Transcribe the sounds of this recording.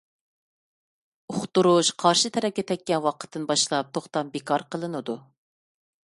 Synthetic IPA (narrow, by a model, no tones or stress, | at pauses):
oχt̪uɾuʃqʰɑɾʃɨt̪ʰɛɾɛp̚kʲɛt̪ʰɛkʲːɛnwɑqʰə̥t̪ʰːɨnbɑʃlˠɑp̚t̪ʰoχt̪ɑmbekʰɑɾqʰəlˠɨnɨd̪u